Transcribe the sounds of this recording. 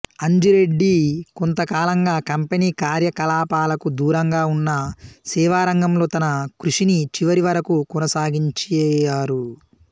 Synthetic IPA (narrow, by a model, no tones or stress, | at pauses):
ɐɲd͡ʒuɾe̞ɖːikont̪ɐkaːlɐŋɡaːkɐmpeniːkaːɾjɐkɐlaːpaːlɐkud̪uːɾɐŋɡaːunːɐsɛːʋaːɾɐŋɡɐmlo̞ːt̪ɐnɐkɾuʂinit͡ʃiʋɐɾiʋɐɾɐkukɔnɐsaːɡiɲt͡ʃɛjaːɾu